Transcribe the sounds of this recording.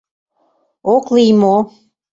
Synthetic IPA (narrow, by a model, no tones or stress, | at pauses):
oklijmo